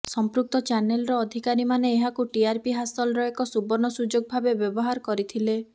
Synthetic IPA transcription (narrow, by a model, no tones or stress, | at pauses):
sɔmpɾuk̚t̪ɔt͡ʃanelɔɾɔːd̪ʱikaɾimaneːɦakuʈiaɾpiɦasɔlɾɔekɔsubɔnɔsud͡ʒoɡ̚bʱabebjɔbɔɦaɾɔkɔɾit̪ʰile